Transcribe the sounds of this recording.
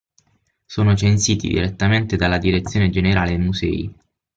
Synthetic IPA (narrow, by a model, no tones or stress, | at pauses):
soːnot͡ʃensiːt̪ḭd̪ḭɾet̪ːament̪ed̪alːad̪iɾet̪sːjoːned͡ʒeneɾaːled̪emuzɛ̰ːḭ